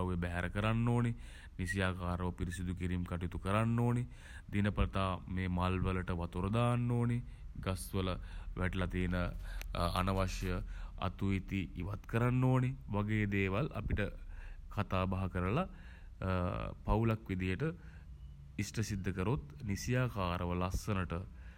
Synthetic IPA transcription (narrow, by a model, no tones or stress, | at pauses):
awjebɛɦɛɾʔəkəɾanːoːni | nisijaːkaːɾəʋəpiɾisid̪ukiɾimkaʈit̪ukəɾanːoːni | d̪inəpət̪aːmeːmalʋələʈəʋat̪uɾəd̪aːnːoːni | ɡasʋələʋʔæʈlat̪iːnə | a̰nɐʋaʃjəa̰t̪uit̪iʔiʋat̪kəɾanːoːniʋaɡeːd̪eːʋalʔa̰piʈəkʰat̪aːbaɦɐkəɾəla | pawlakʋid̪ijəʈə | isʈəsid̪ʱːəkəɾot̪nisijaːkaːɾʔəʋəlasːənəʈə